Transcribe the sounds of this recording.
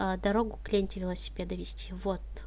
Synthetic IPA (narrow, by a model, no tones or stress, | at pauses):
əd̪ɐɾo̞ɡʊklʲenʲtʲɪvʲɪlˠəsʲɪ̥pʲed̪əvʲɪsʲtʲivo̞t̪